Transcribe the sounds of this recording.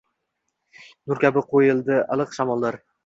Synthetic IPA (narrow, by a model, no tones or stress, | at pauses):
nʊɾkʲabɪqʰojɪlˠd̪ɪɑ̰lˠɨqʃamɒlˠːaɾ